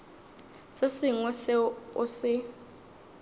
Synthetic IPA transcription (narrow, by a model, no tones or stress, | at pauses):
sesɪŋwɛsɛʊsɪ